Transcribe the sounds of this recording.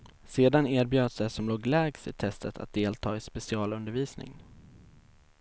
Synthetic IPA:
seːd̪aneːɾbjøːd̪əsd̪ɛsɔmloːɡlɛːɡsɪ̰t̪ʰɛst̪ʰət̪ʰa̰t̪̚d̪eːlt̪ʰɑːɪspɛsɪɑːlɵnd̪əɾviːsnɪ̰ŋ

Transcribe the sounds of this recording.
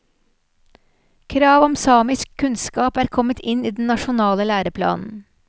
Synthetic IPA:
kʰɾɑːʋɔmsɑːmɪskʰːʉnskɑːpæːɾkʰɔmət̪ʰɪniːd̪n̩nɑʃʊnɑːləlæːɾəpʰlɑ̰ːnn̩

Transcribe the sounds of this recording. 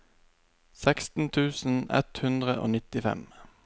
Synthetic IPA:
sɛkst̪n̩t̪ʰʉːsn̩ɛ̰t̪hʉnd̪ʁəʔo̰ːnɪt̪ɪfɛ̰m

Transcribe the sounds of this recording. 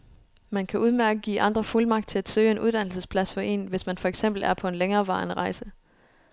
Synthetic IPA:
mænkʰæʔuð̞ˠmæɐɐɡ̥əɡ̥ḭːʔɑ̈nd̥ʁɐfulmɑ̈ɡ̥̚d̥̚t͡sʰe̝læd̥sø̰ːe̝nʔuð̞ˠd̥æn̰l̩səspʰlæsfɒ̽ʔe̝̰ːnʋe̝smænfɒeɡ̥sem̰b̥l̩æɐpʰɒ̽e̝nleŋɐːʋɑ̰̈ːnəʁɑ̈ɪsə

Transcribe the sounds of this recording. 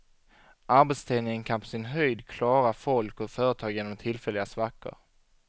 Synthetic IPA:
ʔaɾbɛt̪st̪ʰɛːnɪŋənkʰanpʰɔ̥sɪnɦœjd̪kʰlɑːɾafɔlkɔfœːɾət̪ʰɑːɡjeːnɔmt̪ʰɪlfɛlːɪɡasvakːə̰ɾ

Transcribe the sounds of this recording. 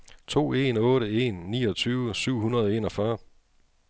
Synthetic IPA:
t͡sʰo̝̰ːe̝nɔ̽ːɾəe̝̰nːḭːɒt͡sʰyːʊəsyʊ̰ɦhunɐð̞ˠɒe̝̰ːnɒ̽fɶɐ

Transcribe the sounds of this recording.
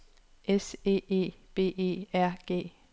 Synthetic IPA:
ʔese̝̰ːe̝̰ːb̥e̝̰ːe̝̰ːæɐ̰ɡ̥e̝̰ː

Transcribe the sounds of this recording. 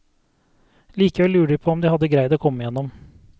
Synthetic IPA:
liːkəʋɛlːʉːɖɪpʰoːɔmd̪ihɑd̪ːəɡɾæɪd̪oːkʰɔmːəjɛnːɔm

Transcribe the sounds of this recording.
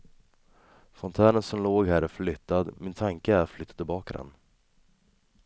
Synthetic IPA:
fɔnt̪ʰæːɳənsɔmloːɡhæːɾæflʏt̪ːad̪mɪnt̪ʰaŋkəæɾflʏt̪ːat̪əbɑːkad̪ɛ̰n

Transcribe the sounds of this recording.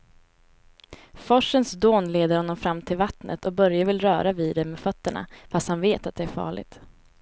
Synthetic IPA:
fɔʂːənsd̪oːnleːd̪əɾhɔnːɔmfɾamːt̪ʰɪlvat̪nʔə̰t̪ʰɔbœɾjavɪlɾœːɾaviːd̪ɛmeːfœt̪ːəɳa̰fast̪hanveːt̪at̪̚d̪ɛæɾfɑ̰ːɭɪ̰ɡt̪

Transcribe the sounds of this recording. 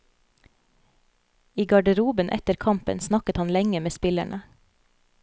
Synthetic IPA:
iːɡɑɖəɾuːbənʔɛ̰t̪əɾkʰɑmpə̰nsnɑkət̪hɑnlɛŋəmeːspɪlæ̰ɳə

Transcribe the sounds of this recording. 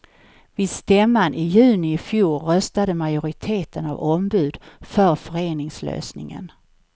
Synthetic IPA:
vɪd̪st̪ɛmːanʔɪjʉ̟ːnɪɪfjuːɾœst̪ad̪əmajʊɾɪt̪ʰeːt̪ʰəna̰vɔmbʉ̟ːd̪fœɾfœɾeːnɪŋslø̰ːsnɪ̰ŋə̰n

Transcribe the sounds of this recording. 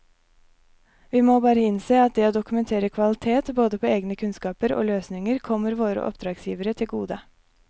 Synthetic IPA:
ʋiːmoːbɑːɾəɪnseːɑt̪̚d̪ɛːoːd̪ʊkʉmɛnt̪ʰeːɾəkʰʋɑlɪt̪ʰeːt̪boːd̪əpʰoːeːɡnəkʰʉnskɑːpəɾo̰ːløːsnɪŋəɾkʰɔmːəɾʋoːɾə̰ʔɔ̰pd̪ɾɑːɡsjiːʋəɾət̪ʰɪlɡuːd̪ə

